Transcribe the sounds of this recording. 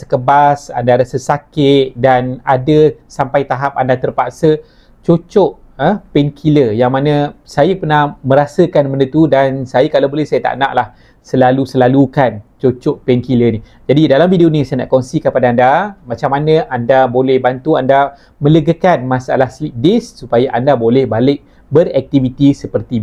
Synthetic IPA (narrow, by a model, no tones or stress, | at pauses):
sə̥kəbasa̰ndaɾasəsakɪt̪̚danadəsampajt̪aɦap̚andat̪ərpaʔsə | t͡ʃot͡ʃɔʔ | əpɛnkʰiləjaŋmanãsajapərnahmə̃ɾasəkanmənət̪udansajakalawbolɛhsajət̪a̰ʔna̰ʔlah | səlalusəlalukant͡ʃot͡ʃɔʔpɛnkilənĩ | d͡ʒadidalamvideonĩsajana̰ʔkɔnsikəpadaːndamãt͡ʃamanãʔandabolɛhbant̪uanda | mə̃ləɡəkanmãsa̰lahslip̚dɪsːupajaʔandabolɛhbalɪk̚ | bərɛk̚t̪ivit̪isəpərt̪i